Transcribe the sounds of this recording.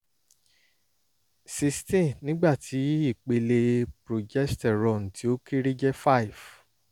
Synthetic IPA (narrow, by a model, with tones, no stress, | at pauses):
si˧stɛ̃˦˨nĩ˦ɡ͡ba˦˨tʰi˨˦i˦˨k͡pe˧le˧pɾo˨d͡ʒɛ˦stɛ˨ɾɔ˨n̩˨tʰi˨˦o˦ki˦ɾi˦d͡ʒɛ˦fa˦i˨v